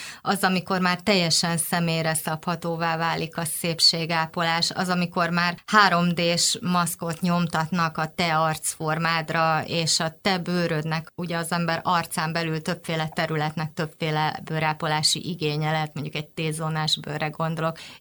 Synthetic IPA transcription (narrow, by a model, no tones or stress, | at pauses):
ɒzɒmiko̞rmaːrt̪ɛjːɛʃɛnsɛmeːjɾɛsɒphɒt̪oːvaːvaːlikɒseːpʃeːɡaːpo̞laːʃɒ̰zɒmiko̞rmaːrhaːɾo̞md̪eːʃmɒsko̞t̪ɲo̞mt̪ɒt̪nɒkɒt̪ɛɒrt̪sfo̞rmaːd̪rɒeːʃɒt̪ɛbøːɾød̪nɛkuɟɛɒzɛmbɛɾɒrt̪saːmbɛlylt̪ø̞pfeːlɛt̪ɛɾylɛt̪nɛk̚t̪ø̞pfeːlɛbøːɾaːpolaːʃḭʔiɡeːɲɛlɛɦɛt̪̚mo̞ɲɟukɛɟ̚t̪eːzonaːʒbø̰ːrɛɡo̞nd̪o̞lo̞k